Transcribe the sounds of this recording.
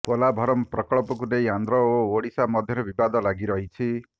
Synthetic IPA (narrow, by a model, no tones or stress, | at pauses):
kolabʱɔɾɔmpɾɔkɔɭɔpɔkuneĩand̪ɾɔooɽisamɔd̪ʱjɔɾɔbibad̪ɔlaɡiɾɔɦit͡ʃʰi